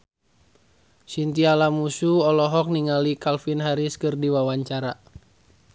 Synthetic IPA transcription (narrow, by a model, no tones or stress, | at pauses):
sint̪ialamusuɔlɔɦɔk̚niŋalikalfinɦaɾiskɨrdiwawaɲt͡ʃaɾa